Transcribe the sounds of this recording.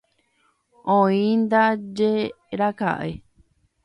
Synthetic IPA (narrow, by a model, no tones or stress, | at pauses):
õĩnd̪ad͡ʒe | ɾaka̰ʔe